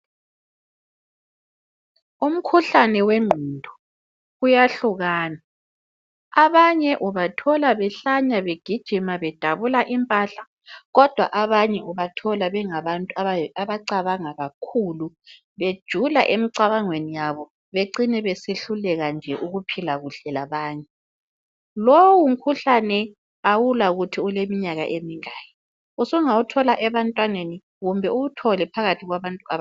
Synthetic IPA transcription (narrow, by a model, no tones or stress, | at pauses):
um̩kʰuɬanɛweŋ͡ǃʱindʱɔ̥ | ujaɬuɣaːna | aβaɲɛʔuβatʰɔlaβɛɬaɲaβeɡ̥ʱid̥ʒ̥ʱimaβɛd̥ʱaβulaʔimpʼaɬa | ɣɔd̥ʱwa̰ʔaβaɲɛuβatʰɔlaβɛŋaβantʼuaaβaǀaβaŋaɣakʰuːlu | βed̥ʒ̥ʱula̰ʔemiǀaβaŋwenijaβɔ | βeǀinɛβeseɬulɛɣand͡ʒʱɛʔuɣupʰilaɣuɬɛlaβaːɲɛ | lowum̩kʰuɬanɛ | awulauɣutʰiulemiɲaɣa̰ʔemiŋaːjɛ | usɔŋawutʰɔlaʔɛβantʼwaneni | ɣumbʱɛuβutʰɔlɛpʰaɣatʰiɣwaβantʼua